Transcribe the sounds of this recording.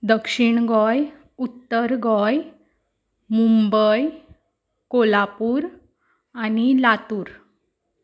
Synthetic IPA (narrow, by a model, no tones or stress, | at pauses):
d̪əkʂiɳɡɔj | ut̪ːəɾɡɔj | mumbəj | kolapuːɾ | anilat̪uːɾ